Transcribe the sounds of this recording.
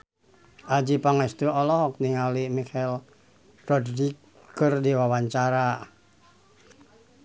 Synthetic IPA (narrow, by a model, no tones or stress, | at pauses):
ʔad͡ʒipaŋɛst̪uɔlɔɦɔk̚niŋalimikal | rɔdɾikː | ɨrdiwawaɲt͡ʃaɾa